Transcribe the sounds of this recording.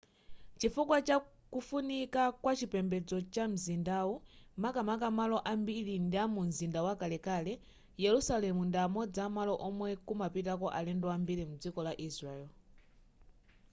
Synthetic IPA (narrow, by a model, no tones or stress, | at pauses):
t͡ʃifukwat͡ʃa | kufunikakwat͡ʃipɛmbɛd͡zɔt͡ʃam̩zindawumakamak̬amalɔʔambilindiamunzindawakalɛkaːlɛ | jɛɾusalɛmundiamɔd͡zamalɔʔɔmwɛkumapitakɔʔalɛndɔambilimud͡zikɔlaʔisɾaɛl